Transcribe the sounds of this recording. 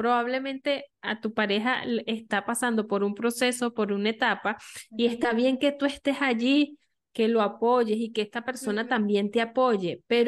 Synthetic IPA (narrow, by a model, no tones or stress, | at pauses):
pɾoβaβ̞le̞mẽ̞nt̪e̞a̰t̪upaɾe̞ɦa̰est̪apasand̪opo̞ɾumpɾo̞se̞so̞poɾunaet̪apaie̞st̪aβje̞ŋke̞t̪ue̞st̪e̞saʝi | ke̞loapo̞ʝesikeehst̪ape̞ɾso̞nat̪ambje̞nt̪eapo̞ʝepeɾ